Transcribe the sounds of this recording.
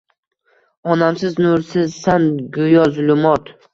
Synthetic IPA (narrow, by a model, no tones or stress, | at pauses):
ɒnamsɪznʊɾsɪzsanɡʊjɒzʊlʊmɒt̪